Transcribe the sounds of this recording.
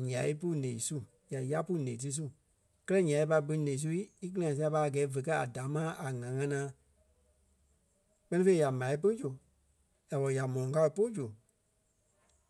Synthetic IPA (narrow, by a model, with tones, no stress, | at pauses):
ɲã˨i˦pu˦nẽ˨i˨su˦ | ja˨ja˦pu˦nẽː˨t̬ɨ˦s̬u˦ | kɜ˦lɜ˦ɲã˨˦i˦pa˧˦˧bɨ˧˦nẽ˨˦s̬u˦i˦i˦k̬ɨ˦lã˨s̬i˧a˧pa˧˦a˨ɡɛː˨˦və˨k̬a˦a˨da˨˦mãː˦ʔa˨ŋã˨˦ŋã˧˦nãː˦ | k͡pɜ˧˦nĩ˦fe˧i˦ja˨mã˨i˦pɨ˦d͡ʒu˨ | ja˨wɔ˨ja˨mɔ̃˨ɔ̃˨ka˧ɨ˧po˦d͡ʒu˨